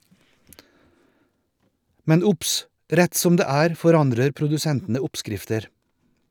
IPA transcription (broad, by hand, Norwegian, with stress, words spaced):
ˈmɛn ˈʊps ˈɾɛt ˈsɔm ˈdeː ˈæːɾ fɔˈɾɑndɾəɾ pɾʊdʉˈsɛntn̩ə ˈʊpˌskɾɪftəɾ